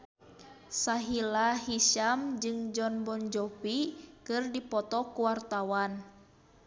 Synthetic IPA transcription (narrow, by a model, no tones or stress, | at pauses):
saɦilaɦiʃamd͡ʒɨŋd͡ʒɔnbɔnd͡ʒɔpikɨrdipɔt̪ɔkuwart̪awan